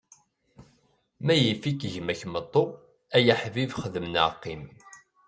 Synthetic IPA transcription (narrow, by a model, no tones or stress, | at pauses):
mæjəfikʝmæçmət̪ˤːo | æjəħvivχəðəmənə̰ʕqːim